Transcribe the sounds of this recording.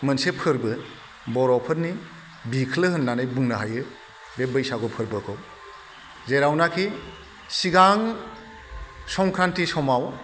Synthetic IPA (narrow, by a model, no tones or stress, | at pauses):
mɯnsepʰɯɾbɯ | bɔɾɔpʰɯɾni | bikʰlɯhɯnːanɯjbuŋnaɦajɯ | bebɯjsaɡɔpʰɯɾbɯkʰɯw | zeɾawnakʰi | siɡaŋ | sɔŋkʰɾantisɔmaw